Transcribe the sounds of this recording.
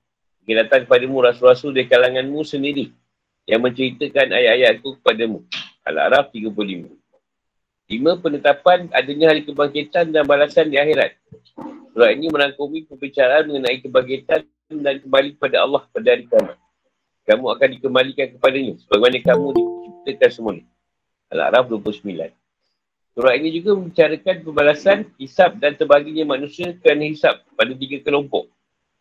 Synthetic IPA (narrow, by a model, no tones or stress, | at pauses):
kəkilat̪ankəpadamũɾasulɾasuldaɾikalaŋãnmũsəndiɾi | jaŋmə̃ɲt͡ʃəɾit̪əkana̰jaʔajaʔkukə̥padamũʔa̰la̰ɾaf̚t̪iɡəp̬lolimə | limə̃pənət̪apana̰dəɲãɦalikəbaŋkit̪andanbalasandiaxeɾa̰t̪̚ | suɾainimə̃ɾaŋkomĩpəbit͡ʃaɾaːnmə̃ŋənãikəbaŋk̬it̪a | ndankəmalik̚əpadaɑ̰lːɑhpadaɦaɾikamã̰ | kamũakandikəmalikankəpadaɲasəbaɡemanakamũdit͡ʃip̚t̪əkansəmanə | a̰la̰ɾafduəplʊhsəmila̰n | suɾaʔinĩd͡ʒuɡamə̃mbit͡ʃaɾəkanpəmbalasanhisap̚dant̪əbaɡiɲamãnũsiəkəɾanahisap̚ːadat̪̬iɡakəlɔmpɔ̰ʔ̚